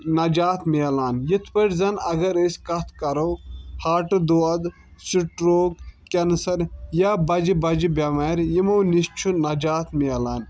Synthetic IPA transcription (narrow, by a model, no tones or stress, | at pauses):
nɐd͡ʒaːt̪ʰmiɐlaːnjit̪ʰpɐʈzɐnɐɡɐɾeskɐt̪ʰkɐɾoːhaːʈɨd̪oɐd̪ | siʈɾoːɡkɐnsɐɾjabɐd͡ʒibɐd͡ʒibʲɐmɐɾjimɐwnist͡ʃʰunɐd͡ʒaːt̪miɐlaːn